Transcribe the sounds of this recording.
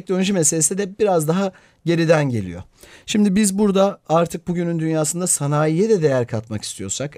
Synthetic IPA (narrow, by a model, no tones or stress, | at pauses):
d̪ønd͡ʒime̞s̬e̞lʲe̞sid̪ɛbiɾazd̪aɦa | ɟe̞ɾid̪ænɟe̞̰lʲḭjo̞̰ʃimd̪ibizbuɾd̪aaɾt̪ʰɯk̚buɟynynd̪ynjaːsɯnd̪asanaːjijɛd̪ɛd̪e̞jæɾkʰat̪maki̥st̪ʰijo̞̰sak